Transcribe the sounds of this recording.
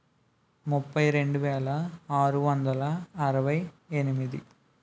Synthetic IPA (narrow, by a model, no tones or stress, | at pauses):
mʊpːɐɪɾɛɳɖɯʋeːlɐaːɾɯʋɐnd̪ɐlɐɐɾɐʋɐɪ | ɛnɯmiðḭ